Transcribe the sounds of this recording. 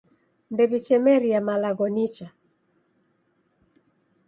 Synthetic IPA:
ndɛbit͡ʃɛmɛɾijamalaɡɔnit͡ʃa

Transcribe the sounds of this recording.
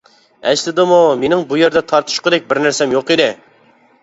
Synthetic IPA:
ɛ̰ʃlɪd̪ɨmumenɪŋbujeɾd̪ɛt̪ʰɑɾt̪ʰu̥ʃqʊd̪ɛk̚ʲbɪɾnæɾsɛmjoqed̪ɨ

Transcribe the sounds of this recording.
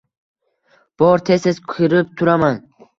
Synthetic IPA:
b̥ɒɾt̪ʰesɪzkʰiɾɪp̚t̪ʰʊɾaman

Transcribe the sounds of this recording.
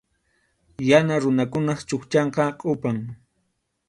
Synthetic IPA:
janaɾʊnakʊnɑχt͡ʃʊχt͡ʃɑɴqɑqʼʊpaŋ

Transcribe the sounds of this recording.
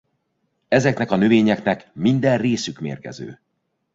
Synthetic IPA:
ɛzɛknɛkɒnøveːɲɛknɛkmind̪ɛrreːsykmḛːrkɛ̰zø̰ː

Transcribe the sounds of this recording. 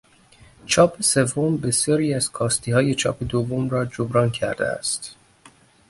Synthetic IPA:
t͡ʃʰɒːpʰese̞vːombe̞sjɒːɾiːæz̥kʰɒːst̪iːhɒːje̞t͡ʃʰɒ̰ːpʰe̞d̪ovːomɾɒːd͡ʒobɾɒːncʰæɾd̪ḛæ̰st̪

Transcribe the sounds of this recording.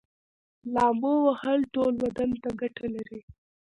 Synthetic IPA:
lɑmbowahəlʈolwad̪ant̪aɡaʈʰalaɾi

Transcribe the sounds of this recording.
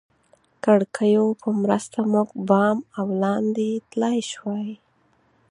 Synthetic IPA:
kaɽkʰəjopʰəmɾəst̪amuɡbɑmawlɑnd̪et̪lɑjʃwɑj

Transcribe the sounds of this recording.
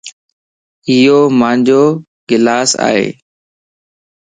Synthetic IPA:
ɪjoːmãːɲd͡ʑoː | ɡɪlaːsa̰ːɦḛː

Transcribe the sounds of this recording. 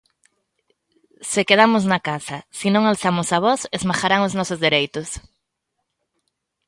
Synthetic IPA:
sɪkeð̞amʊznakasɐsinõŋalθamʊsaβ̞ɔsezmaxaɾaŋʊznɔsʊzðeɾejt̪ʊs

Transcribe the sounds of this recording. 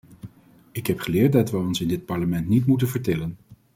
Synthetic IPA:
ɪkɦɛpχəlɪːɹt̚dɑtʋəɔnsɪndɪt̚pɑɹləmɛntnitmutənvəɹtɛlən

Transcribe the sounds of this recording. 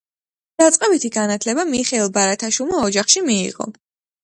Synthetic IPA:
d̪̥at̪sʼqʼɛbit̪ʰiɡanat̪ʰlɛbamiχɛilˠbaɾat̪ʰaʃwilˠmaɔd͡ʒaχʃimḭːʁɔ̰

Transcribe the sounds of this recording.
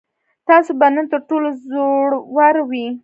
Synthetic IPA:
t̪ɑsobanənt̪əɾʈolozoɽwaɾwi

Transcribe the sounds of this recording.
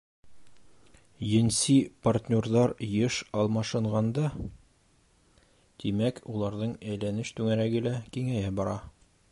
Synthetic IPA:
jɘ̆nsipart̪ʲnʲorðɑɾjɤʃɒlˠmɑʃɤ̆ɴʁɑnd̪ɑ | t̪imækʰulˠɑɾðɤɴæjlænɘʃt̪ʉŋæɾæɡɘlækiŋæjæbɒɾɑ

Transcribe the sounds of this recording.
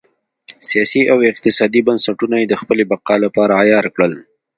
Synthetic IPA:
sijɑsiʔawɪq̚t̪ɪsɑd̪ibansaʈunajed̪əxpəlebaqɑlapɑɾajɑɾkɽəl

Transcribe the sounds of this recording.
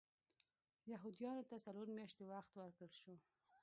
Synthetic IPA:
jaɦʊd̪ijɑnot̪asaloɾmjɑʃt̪ewaxt̪wəɾkəlʃo

